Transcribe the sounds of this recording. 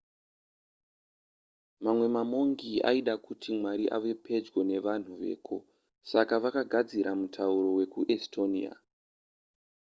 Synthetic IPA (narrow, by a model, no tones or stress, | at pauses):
mamwe̞mamo̞ŋɡia̰iɗakutʰimwaɾiʔa̰ʋe̞pʰe̞d͡zwo̞ne̞ʋan̤uʋe̞̰ːkʰo | sakaʋakaɡʱad͡ziɾʔamutʰauɾo̞we̞kuʔestʰo̞nḭa̰